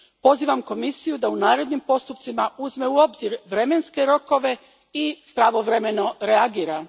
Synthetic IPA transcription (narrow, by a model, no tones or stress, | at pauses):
po̞ziːʋamko̞misijud̪aunaːɾe̞d̪nimpo̞st̪up̚t̪simauzme̞uo̞bziɾʋɾe̞me̞nske̞ɾo̞ko̞ʋe̞ | ipɾaʋo̞ʋɾe̞me̞no̞ɾe̞aɡiːɾa